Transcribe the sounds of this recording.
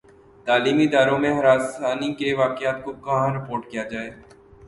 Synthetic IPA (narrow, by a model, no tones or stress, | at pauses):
t̪aːliːmiɪd̪aːɾõmẽɦɐɾaːsaːnikeʋaːkjaːt̪̚kokɐɦãɾɪpoːɾʈkijad͡ʒaːeː